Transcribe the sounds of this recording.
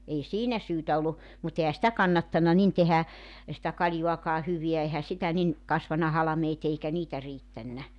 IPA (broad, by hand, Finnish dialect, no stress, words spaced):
ei siːnæ syːtæ olːu mut ehæ sĭtæ kɑnːɑtːɑnːɑ nin tehæ sĭtæ kɑlʲjuɑkɑː hyʋiæ ehæ sitæ nin kɑsʋɑnɑ hɑlɑ̆meːt eikæ niːtæ riːtːænːæ